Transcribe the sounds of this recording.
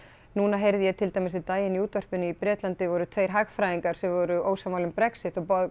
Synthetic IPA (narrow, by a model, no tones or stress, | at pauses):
nuːnaɦejɾðɪjɛɣt̪ʰɪlt̪ajmɪsɪt̪aːjɪniuːt̪vœr̥pʏnʏipɾɛːt̪lant̪ɪvɔɾʏt̪ʰvejɾ̥ɦaɣfɾajiŋkaɾ̥sɛmvɔɾʏʔoːwsamawlʏmpɾɛksɪht̪ɔpɔð